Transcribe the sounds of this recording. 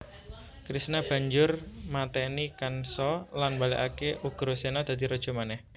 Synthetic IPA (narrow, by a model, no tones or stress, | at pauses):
kɾisnab̥a̤ɲd͡ʒʊrmat̪ɛnikansɔlanbaleʔakeʔuɡ̥ɾosenad̪̥a̤d̪iɾɔd̥ʒ̥o̤manɛh